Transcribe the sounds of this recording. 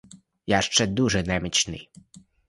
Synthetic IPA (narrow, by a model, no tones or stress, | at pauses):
jaʃt͡ʂɛd̪uʒɛnɛmɪt͡ʃnɪ̰j